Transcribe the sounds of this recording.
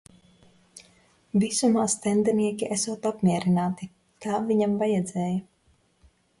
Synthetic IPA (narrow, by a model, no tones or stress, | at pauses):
visumaːst̪ɛnd̪ɛniɛkʲiʔɛsuɔt̪apmʲiɛɾinaːt̪i | t̪ʰaːviɲamvajɛd̪zɛːja